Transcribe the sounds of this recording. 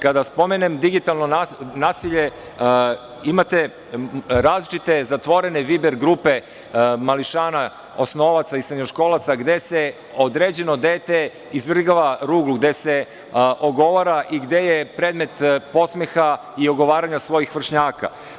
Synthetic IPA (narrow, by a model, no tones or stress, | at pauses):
kad̪aspo̞menemd̪iɡit̪alˠno̞nanaːsiʎe | imat̪e | ɾaːzlit͡ʃit̪e̞zat̪ʋo̞ɾe̞neʋibeɾɡɾuːpe̞ | maliʃaːna | osno̞ʋat̪saisɾeɲoʃko̞ːlat̪saɡd̪e̞se | od̪ɾeːd͡ʑe̞nod̪eːt̪e | izʋr̩ɡaʋaɾuːɡluɡd̪e̞se | ʔoɡo̞ʋaɾaʔiɡd̪e̞jepɾed̪me̞t̪po̞t̪smexa | ioɡo̞ʋaːɾaɲasʋo̞jixʋr̩ʃɲaːka̰